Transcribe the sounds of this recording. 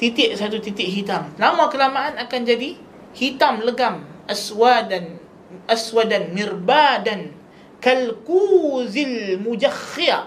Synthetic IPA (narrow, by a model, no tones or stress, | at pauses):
t̪it̪ɪʔsat̪ut̪it̪ɪʔɦit̪amlamakəlamaʔanakand͡ʒadi | hit̪amləɡamʔaswadan | ʔaswadanmɪrbadan | kalkuzilmud͡ʒaxia